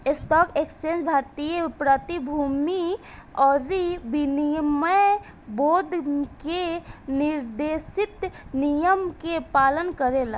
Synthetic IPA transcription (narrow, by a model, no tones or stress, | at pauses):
esʈ̪ɔkekst͡ʃẽnd͡ʒbʱaɾt̪ijəpɾət̪ibʱumiɔɾibinijəməj | bod̪ʱkeniɾd̪esit̪nijəmkepalənkəɾel